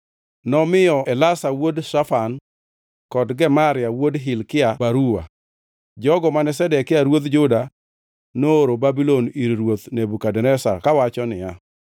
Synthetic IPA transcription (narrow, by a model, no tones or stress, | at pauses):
nɔmɪjɔʔɛlasawodʃafan | kɔdɡɛmaɾɪawodɦɪlkɪabaɾuwa̰ | d͡ʒɔɡɔmanɛsɛdɛkːɪaɾwot̪̬d͡ʒʊda | noːɾobabiloniɾɾwot̪nebukadɛnɛsakawat͡ʃɔnɪja